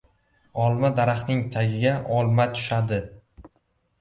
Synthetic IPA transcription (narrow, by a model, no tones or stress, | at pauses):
ɒlˠmad̪aɾaχnɪŋt̪ʰaɡʲɪɡʲaʔɒlˠmat̪ʰʊ̥ʃad̪ɪ